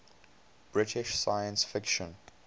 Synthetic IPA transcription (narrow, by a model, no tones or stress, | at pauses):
b̥ɹɪtʰɪʃsajə̃nsfɪkʃɔ̃n